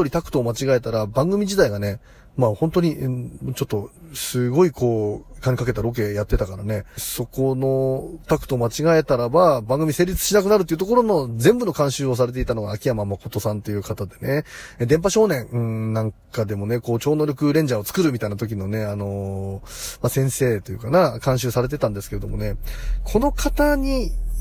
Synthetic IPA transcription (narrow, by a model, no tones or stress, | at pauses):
oɾʲit̪akɯ̟̥t̪o̞ːmat͡ɕiɡae̞t̪aɾabãŋɡɯ̟mʲid͡ʑid̪aiɡane̞ | mahont̪o̞ɲ̟it͡ɕo̞t̪ːo̞sɨɡo̞ikʰo̞ːkaɲikake̞t̪aɾo̞k̬e̞jat̪ːe̞t̪akaɾane̞so̞ko̞no̞t̪akɯ̟̥t̪o̞ːmat͡ɕiɡae̞t̪aɾababãŋɡɯmʲise̞ːɾʲit͡sɨ̥ɕinak̬ɯ̟naɾɯt̪̬ːeiɯ̟t̪o̞k̬o̞ɾono̞zẽ̞mbɯ̟no̞kãɰ̃ɕɨːos̬aɾe̞t̪̬e̞it̪ano̞ɡaːkʲijamamako̞t̪o̞sãnt̪e̞jɯ̟ːkat̪ad̪e̞ne̞d̪ẽ̞mp̬aɕo̞ːnẽ̞ñnːãŋkad̪e̞mo̞ne̞ko̞ːt͡ɕo̞ːno̞ɾʲo̞kɯ̟ɾẽ̞ɲ̟d͡ʑao̞t͡sɨ̥kɯ̟ɾɯ̟mʲit̪ainat̪o̞k̬ʲino̞ne̞ano̞ | masẽ̞ɰ̃se̞ːt̪o̞jɯ̟̰kanakãɰ̃ɕ̬ɨːsaɾe̞t̪̬e̞t̪ãnd̪e̞sɨ̥ke̞ɾe̞d̪o̞mo̞ne̞kʰo̞no̞kʰat̪aɲ̟i